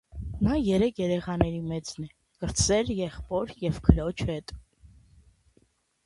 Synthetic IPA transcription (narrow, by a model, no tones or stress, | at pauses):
nɑjɛɾɛkʰjɛɾɛχɑnɛɾimɛt͡snɛ | kəɾt͡sʰɛɾjɛχpɔɾjɛvkʰəɾɔt͡ʃʰhɛt̪ʼ